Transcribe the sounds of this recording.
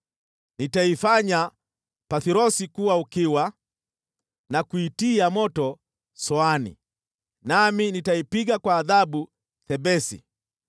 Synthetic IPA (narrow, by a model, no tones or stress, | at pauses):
nitaifaɲa | paθiɾɔsikuwaukiwa | nakuitiamɔtɔ | sɔanḭ | naminitaipiɡakwaːðaɓu | θɛbɛsḭ